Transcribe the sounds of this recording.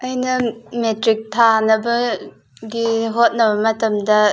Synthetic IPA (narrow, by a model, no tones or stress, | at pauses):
ʔɐjnɐmetɾik̚tʰanɐbɐ | ɡiɦot̚nɐbɐmɐtɐmdɐ